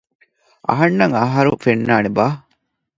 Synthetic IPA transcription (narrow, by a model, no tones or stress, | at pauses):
ʔɐ̰ɦɐnːɐŋɐɦɐɾufenːaːnebaː